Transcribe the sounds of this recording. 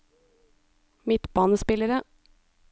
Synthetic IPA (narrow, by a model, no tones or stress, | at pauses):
mɪt̪bɑːnəspɪləɾə